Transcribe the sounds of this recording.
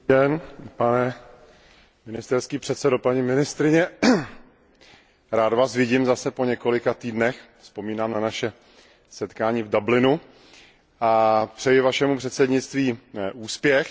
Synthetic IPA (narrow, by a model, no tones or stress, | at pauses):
ɛnpanɛ | mɪnɪst̪ɛɾskiːpr̥ɛt̪sɛdo̞paɲimɪnɪst̪ɾɪɲɛ | ɾaːd̪vaːsvɪɟɪmzasɛpo̞ɲɛko̞lɪkat̪iːdnɛx | fspo̞miːnaːmnanaʃɛ | sɛt̪kaːɲiːvdablɪnu | ʔapr̝̥ɛjɪvaʃɛmupr̥ɛt̪sɛdɲɪt͡st̪viːʔuːspjɛx